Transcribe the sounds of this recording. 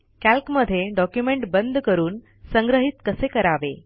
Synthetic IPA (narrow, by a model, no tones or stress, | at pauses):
kælkməd̪ʱːjeɖɔkjumeɳʈbənd̪ʱkəɾuːn | səŋɡɾəɦit̪kəsekəɾaʋe